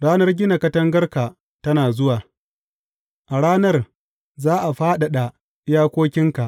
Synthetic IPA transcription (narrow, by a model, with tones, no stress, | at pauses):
ɽaː˦nɐ˦rɡʲɪ˦na˨kɐ˦tɐ˦ŋɡɐ˦rka˨ | tɐ˦naː˨zʊ˦waː˨ | ʔa˨ɽaː˦nɐ˦r | zaː˦ʔa˨ɸaː˦ɗa˨ɗa˨ | ɪ˦jaː˦kʷoː˦kʲɪ˦ŋka˨ʔ